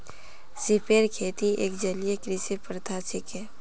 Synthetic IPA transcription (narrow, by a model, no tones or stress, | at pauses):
sɪpeːɾkʰeːt̪iḛːkd͡ʒəlijekɾisepɾət̪ʰasɪke